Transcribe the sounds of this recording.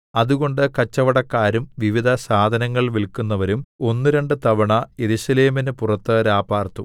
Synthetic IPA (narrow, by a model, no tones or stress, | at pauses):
ɐðuɣo̞ɳɖɨkɐt͡ɕːɐʋɐɽɐkːaːɾumʋiʋid̪ʱɐsaːd̪ʱɐnɐŋːɐɭʋilkunːɐʋɐɾumo̞nːɨɾeɳɖɨt̪ɐʋɐɳɐje̞ɾusɐleːminɨpurɐt̪ːɨɾaːbaːrt̪ːu